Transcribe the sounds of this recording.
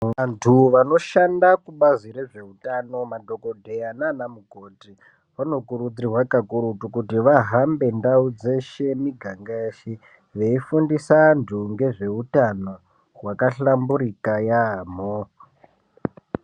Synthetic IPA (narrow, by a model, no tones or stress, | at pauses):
ʋantʰuʋano̞ʃandakuɓaziɾe̞ʐe̞utano̞madʱo̞ko̞dʱeananamuɡʱoːti | ʋano̞kuɾud͡zirwakakuɾutukutiʋaɦambe̞ndaud͡ze̞ʃe̞miɡʱaŋɡaʃi | ʋe̞ifundisandʱuŋɡe̞ʐe̞utano | rwakaɬambuɾikajam̤o